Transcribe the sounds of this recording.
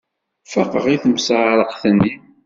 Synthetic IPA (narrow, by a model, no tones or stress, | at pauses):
fəqəʁiθəmsʕɾˤəqθənːi